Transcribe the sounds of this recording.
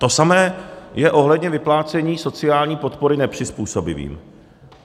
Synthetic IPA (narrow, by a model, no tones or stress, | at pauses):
t̪o̞samɛːjɛʔo̞ɦlɛdɲɛvɪplaːt͡sɛɲiːso̞t͡sɪaːlɲiːpo̞t̪po̞ɾɪnɛpr̝̥ɪspuːso̞bɪ̰vḭːm